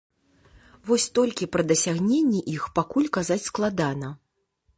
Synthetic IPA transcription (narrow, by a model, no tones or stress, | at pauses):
vɔsʲt̪ɔlʲkʲipɾɐd̪ɐsʲaɣnʲenʲːɛʔixpakulʲkazat͡sʲsklˠad̪anɐ